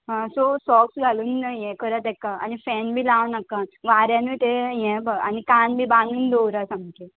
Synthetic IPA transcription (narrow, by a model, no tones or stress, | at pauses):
ɦãsɔsɔksɡʱaluːnjɛ̃kəɾət̪ɛkaa̰nifɛnbʱiːlaʋnəkãʋaɾjãniːt̪ejɛ̃ba̰nikanbʱiːbanuːnd̪owɾasamke